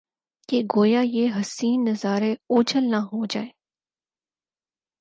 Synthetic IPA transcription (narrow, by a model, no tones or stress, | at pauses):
keɡoːjaːjeɦɐsiːnːəzaːɾeoːd͡ʒəlnaɦoːd͡ʒa̰ːeː